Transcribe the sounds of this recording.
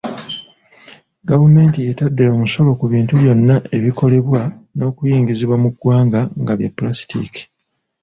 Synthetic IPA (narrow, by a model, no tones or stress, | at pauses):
ɡavume̞ːntijetadːeomuso̞lo̞kuβiːntuβjo̞nːaʔe̞βiko̞le̞βwano̞ːkujiːŋɡiziβwamuɡwaːŋɡaŋɡaβja̰pːulasi̥tḭki̥